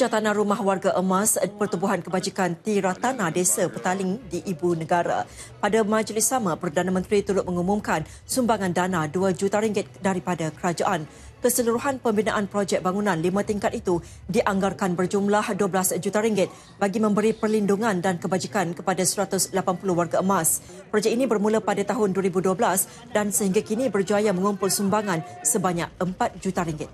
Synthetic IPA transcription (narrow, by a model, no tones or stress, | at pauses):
d͡ʒat̪anãɾumahɦwarɡaʔəmaspərt̪ubuɦankəbad͡ʒikant̪iɾat̪anadesapət̪alɪŋdiʔːbunəɡaɾa̰ | padamãd͡ʒlɪsːamãpərdanamə̃nt̪ɾit̪uɾʊt̪̚məŋumumkan | sumbaŋandanaduad͡ʒut̪aɾiŋɡɪt̪̚daɾipadakəɾad͡ʒaʔan | kəsəluɾuɦanpəmbinaʔanpɾɔd͡ʒɛk̚baŋunãnlimãt̪iŋkat̪̚it̪u | diʔaŋɡarkanbərd͡ʒumlahduəblasd͡ʒut̪aɾiŋɡɪt̪̚ | baɡimə̃mbəɾipərlinduŋãndankəbad͡ʒikankəpadasəɾat̪ʊslapanpulʊhwarɡaəmas | pɾɔd͡ʒɛk̚inĩbərmulapadat̪aɦʊnduəɾibuduəblas | dansəhiŋɡakinĩbərd͡ʒuajamə̃ŋumpʊlsumbaŋãnsəbaɲak̚əmpat̪̚d͡ʒut̪aɾiŋɡɪt̪̚